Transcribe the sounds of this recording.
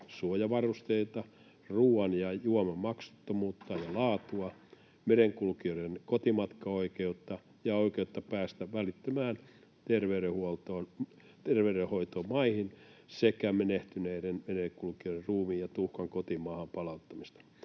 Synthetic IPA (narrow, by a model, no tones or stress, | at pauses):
suojɑʋɑrust̪eit̪ɑ | ruːɑnjɑjuomemmɑksu̥t̪ːomuːt̪ːɑːjɑlɑːt̪uɑ | meɾeŋkulkiŏenkot̪imɑt̪kɑoikeut̪ːɑ | jɑoikeut̪ːɑpæːst̪æʋʋælit̪ːømæːn | t̪erʋeyɾehuolt̪oːn | t̪erʋeyɾehoit̪oːmɑihinsekæmeneht̪yneiɾenmenekulkioiɾerruːmiːjɑt̪uhkɑŋkot̪imɑːhɑmpɑlɑut̪ːɑmist̪ɑ̥